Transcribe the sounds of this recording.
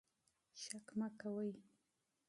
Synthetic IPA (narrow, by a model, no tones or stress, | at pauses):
ʃakmakawəj